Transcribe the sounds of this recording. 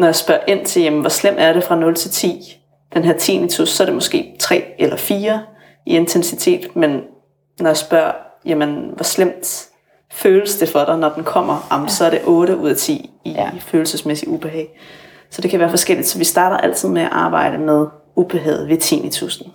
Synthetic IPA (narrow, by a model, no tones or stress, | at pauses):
nɒjäsb̥ɶɐʔe̝n̰t͡sʰe̝ljæmn̩ʋɒslem̰d̥æɐɾ̥e̝fʁɑ̈nɔ̽lt͡sʰe̝lt͡sʰḭː | d̥enɦæɐ̰t͡sʰḭːnit͡sʰusːɒ̽ɐɾe̝mɔ̽sɡ̥e̝̰ːt͡sʰʁɛ̰ːelɐfiːɐ | ie̝nt͡sʰensit͡sʰe̝̰ːd̥men | nɒjɑsb̥ɶɐ̰jæmənʋɒslem̰d̥ | føːləsd̥e̝fɒɾ̥ɑ̈ɪnɒd̥enkʰɒ̽m̰ɐɑ̈msɒ̽æɐɾ̥e̝ʔɔ̽ːɾəʔuð̞̰ˠæt͡sʰḭːiføːl̩səsmesiub̥eɦɛː | sɒ̽d̥e̝kʰæʋæːɐfɒ̽sɡ̥el̰id̥sɒ̽ʋisd̥ɑ̈ːɾ̥ɐʔæl̰t͡sʰɨð̞̰ˠmeæʔɑ̈ːb̥ɑ̈ɪ̰ɾəmeð̞ˠ | ub̥eɦɛːð̩ˠʋe̝t͡sʰḭːnit͡sʰusn̩